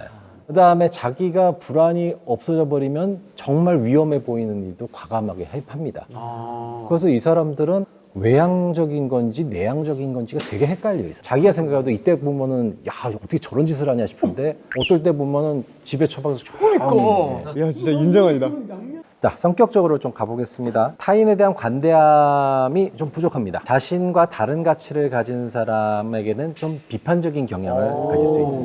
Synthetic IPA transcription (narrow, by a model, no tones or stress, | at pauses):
kɯdaɯme̞t͡ɕaɡiɡapuɾaɲiʌp̚s͈ʌd͡ʑʌbʌɾimjʌnt͡ɕʌŋmaɭɥiʌme̞boinɯniɭdokwaɡamɦaɡe̞̰hajpʰamɲida̰ | kɯɡʌs̬ʰʌisʰaɾamdɯɾɯn | we̞jaŋd͡ʑʌɡinɡʌnd͡ʑine̞jaŋd͡ʑʌɡinɡʌnd͡ʑiɡatwe̞ɡe̞ɦek͈aʎːiḭsʰʌ̥t͡ɕaɡiɡasʰeŋɡakʰadoit͈e̞bomjʌnɯnjaʌt͈ʰʌkʰet͡ɕʌɾʌnd͡ʑis̬ʰɯɾaɲiaɕʰi̥pʰɯnde̞ʌt͈ʌɭt̬͈e̞bomjʌnɯn | t͡ɕibe̞t͡ɕʰʌbaɡesʰot͡ɕʰoik͈jat͡ɕit͡ɕ͈ajund͡ʑʌŋɦaɲidat͡ɕa̰sʰʌŋk͈jʌk̚t͡ɕ͈ʌɡɯɾot͡ɕomkaboɡe̞s͈ɯmɲidatʰaine̞de̞ɦankwande̞amit͡ɕompud͡ʑokʰamɲida̰t͡ɕaɕʰinɡwataɾɯnɡat͡ɕʰiɾɯɭkad͡ʑinsʰaɾame̞ɡe̞nɯnt͡ɕompipʰand͡ʑʌɡinkjʌŋjaŋɯɭkais